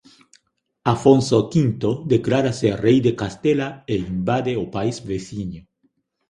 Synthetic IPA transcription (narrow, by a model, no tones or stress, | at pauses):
afõnsokint̪od̪eklaɾaserejd̪ekast̪elaeimbad̪eopaizveθiɲo